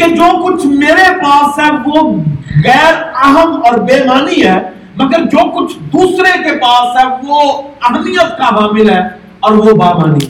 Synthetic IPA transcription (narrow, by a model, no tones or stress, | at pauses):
ked͡ʒoːkʊt͡ʃʰmeːɾepaːsɦɛʋoɣɛːɾəɦəmɔːɾbeːmaːniɦɛː | mɐɡəɾd͡ʒoːkʊt͡ʃʰd̪uːsɾekepaːsɦɛʋoɐbniəskabaːmɪlɦɛː | ɔːɾʋobaːmaːnḭ